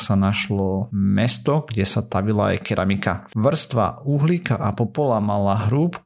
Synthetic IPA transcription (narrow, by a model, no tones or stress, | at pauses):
sanaʃlɔmɛst̪ɔɡ̥ɟɛsat̪aʋilaa̰jkɛɾʔamikaʋr̩st̪ʋa̰uɦlikaʔapɔpɔlamalaɦɾuːp